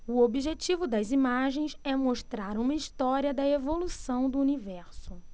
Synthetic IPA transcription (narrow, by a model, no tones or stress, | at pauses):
ʊobiʒet͡ʃivʊd̪ɐzimaʒẽj̃sɛmoʃt̪ɾaɾũmɐiʃt̪ɔɾiɐd̪ɐevolusɐ̃w̃d̪ʊunivɛɾsʊ